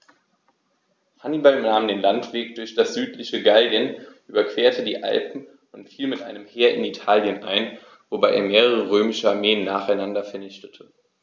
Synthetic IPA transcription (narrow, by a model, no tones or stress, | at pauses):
hanibalnaːmdeːnlantv̥eːk̚d̥ʊɐçd̥asz̥yːtlɪçəɡaldjənʔyːbɐkv̥eːɐtʰədiːʔa̰lpm̩ | ʊntfiːlmɪtʔa̰ɪnəmheːɐʔɪ̰nitʰaːljənʔa̰ɪn | vobaɪʔeːɐmeːʁəʁ̞əʁ̞øːmɪʃəaɐmeːənːaːχaɪnandɐfɛɐnɪçtə̥tʰə